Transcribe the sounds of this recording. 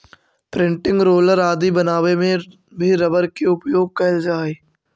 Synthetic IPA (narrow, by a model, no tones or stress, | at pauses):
pɾɪ̃ɳʈɪ̃ŋɡɾoːləɾaːd̪ibɐnaːʋemẽ | bʱiɾɐbəɾkeʊpjoːɡ̚kɐld͡ʒaːeː